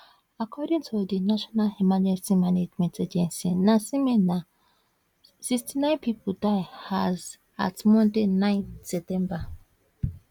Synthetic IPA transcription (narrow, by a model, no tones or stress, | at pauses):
akʰɔdĩŋtʰudinaʃɔnalimad͡ʒɛ̃nsimaned͡ʒmɛ̃ntad͡ʒɛ̃nsinasimɛna | sikstinãɪ̃npipʰudaɪhaz | a̰tmɔ̃ndenãɪ̃nsɛp̚tɛ̃mba